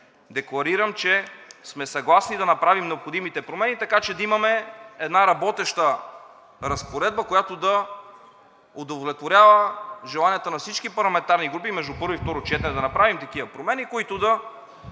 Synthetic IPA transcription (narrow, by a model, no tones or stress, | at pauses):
d̪ɛklˠɐɾiɾəmt͡ʃɛsmɛsɐɡlˠasnid̪ɐnɐpɾavimnɛopxod̪imit̪ɛpɾomɛnit̪ɐkat͡ʃɛd̪ɐimɐmɛɛd̪naɾɐbɔt̪ɛʃt̪ə | ɾɐspoɾɛd̪̚bɐkojat̪od̪ɐ | od̪ovolɛt̪voɾʲjavəʒɛlˠaniət̪ənɐfsit͡ʃkipɐɾlˠɐmɛnt̪aɾniɡɾupimɛʒd̪upɤɾvoift̪ɔɾot͡ʃɛt̪ɛnɛd̪ɐnɐpɾavimt̪ɐkivɐpɾomɛnikoit̪ʊd̪ɐ